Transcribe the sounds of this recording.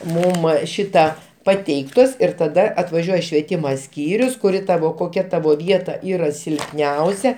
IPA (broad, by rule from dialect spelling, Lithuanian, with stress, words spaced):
ˈmʊm ˈʃʲɪtɐ pɐˈtʲɛɪktoːs ɪr tɐˈdɐ ɐtʋɐˈʒʲuɔjɛ ʃʲʋʲiɛˈtʲɪmoː ˈsʲkʲiːrʲʊs kʊˈrʲɪ ˈtɑːʋoː koːˈkʲɛ ˈtɑːʋoː ˈʋʲiɛtɐ ˈiːrɐ sʲɪlʲpʲˈnʲɛʊsʲɛ